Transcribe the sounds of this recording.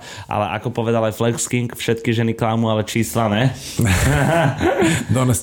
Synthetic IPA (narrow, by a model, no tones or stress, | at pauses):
ʔa̰lɛ̰ʔa̰kɔpɔʋɛd̪alajflɛkskiŋkfʃɛt̪kiʒɛniklamualɛt͡ʃiːslanɛ | d̪ɔnɛs